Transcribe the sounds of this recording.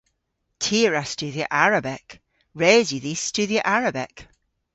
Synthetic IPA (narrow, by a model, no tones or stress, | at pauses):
tʰiɹəst͡ʃʉðiə̰ʔaɹəbɪk | ɹeːzjəðist͡ʃʉðiəʔaɹəbɪk